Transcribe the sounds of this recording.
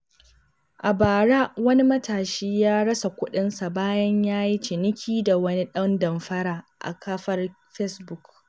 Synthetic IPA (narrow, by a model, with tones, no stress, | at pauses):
ʔa˨baː˨ɽa˦wɐ˦ni˦mɐ˦taː˨ʃiː˦jaː˦ɽɐ˦sa˨kʷʊ˦ɗɪ˦nsa˨baː˦jɐ˦ɲjaː˦ji˦t͡ʃɪ˨nɪ˦kʲʰiː˦da˨wɐ˦ni˦ɗɐ˦ndɐ˨mɸɐ˦ɾaː˨ʔa̰˨kʰɐː˦ɸɐ˦r | ɸɛ˦sbʊ˦k